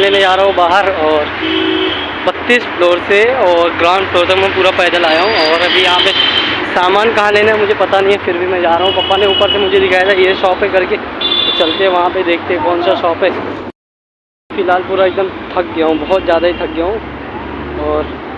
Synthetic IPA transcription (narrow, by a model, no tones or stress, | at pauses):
leːned͡ʒaːɾɐɦõbaːɦəɾɔːɾ | bɐt̪ːiːsploːɾseɔːɾɡɾãːʊ̃ɳɖpʰloːɾs̬emɛ̃puːɾapɛːd̪əlaːjaɦũɔːɾɐbʱijɐɦãpesaːmaːnkɐɦãleːnamʊd͡ʒʱepɐt̪anɐɦĩɦɛfɪɾbʱimɛ̃d͡ʒaːɾɐɦũpɐpːaneuːpəɾsemʊd͡ʒʱed̪ɪkʰaːjd̪ajeʃɔːpɦɛ̃kɐɾkeot͡ʃɐlt̪eɦɛ̃ʋɐɦãped̪eːkʰt̪eɦɛ̃kɔːnsaʃɔːpɦɛː | fɪlɦaːlpuːɾaɪɡ̚d̪əmt̪ʰɐk̚ɡjaːɦũbɐɦɔt̪zjaːd̪aɦit̪ʰɐk̚ɡjaɦõ | ɔːɾ